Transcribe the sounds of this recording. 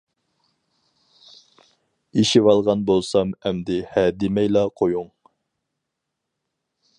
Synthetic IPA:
iʃivɑlˠʁɑnbolˠsɑmɛmd̪ɪhɛd̪ɪmɛjlˠɑqʰojuŋ

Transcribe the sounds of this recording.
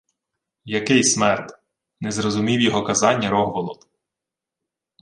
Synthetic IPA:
jɐkɪjsmɛrt̪ | nɛzɾɔzʊmʲiwjɔɦɔkɐzɑnʲːɐɾɔɦʋɔlˠɔ̰d̪

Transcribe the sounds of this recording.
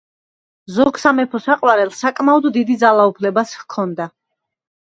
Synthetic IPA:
zɔɡsamɛpʰɔsaqʼwaɾɛlˠsakʼmaɔd̪ːid̪id̪zalˠaupʰlɛbaskʰɔnd̪a

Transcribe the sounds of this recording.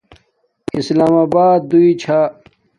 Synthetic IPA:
islaːmaːbaːd̪̚d̪uit͡ɕʰa

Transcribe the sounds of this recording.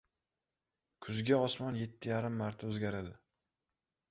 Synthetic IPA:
kʰʊzɡʲaɒsmɒnje̞t̪ʰːɪjaɾɪmːaɾt̪ʰaɵzɡʲaɾad̪ɪ

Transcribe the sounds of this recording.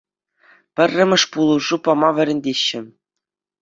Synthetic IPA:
pʲɘ̆rʲːɘ̆mʲɘ̆ʂpulˠuʐupɑmɑʋʲɘ̆ɾʲɘ̆nʲdʲeɕːɘ̆

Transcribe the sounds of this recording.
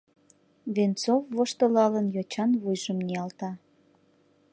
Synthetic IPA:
βent͡sovːoʃt̪əlɑlənjot͡ɕɑnβujʒəmniɑlt̪ɑ

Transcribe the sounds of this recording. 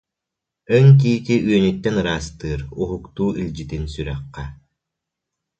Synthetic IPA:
ɯŋk̬iːt̪iʔyœnyt̪ːɛnɯɾaːst̪ɯːɾuɦukt̪uːʔilʲd͡ʑit̪insyɾɛqːɛ

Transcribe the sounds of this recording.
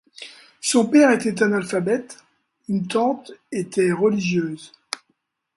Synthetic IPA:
sɔ̃pɛʁet̪ɛt̪ɛ̃nalfabɛt̪ | ynt̪ɑ̃t̪et̪ɛʁəliʒjøːz

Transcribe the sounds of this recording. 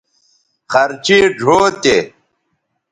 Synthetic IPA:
xɐɾt͡ɕiɖʱoːt̪e

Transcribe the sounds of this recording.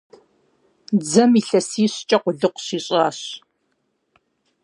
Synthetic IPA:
d͡zɐmiːɬɐsiːɕt͡ʃʼɐqʷʊɮɨqʷɕiːɕʼaːɕ

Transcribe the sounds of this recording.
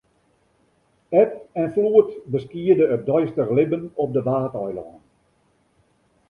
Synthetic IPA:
ɛtɛnfluətbəskiədəːdœjstərlɪbənɔp̚dəʋaːtɔjlɔ̰ːn

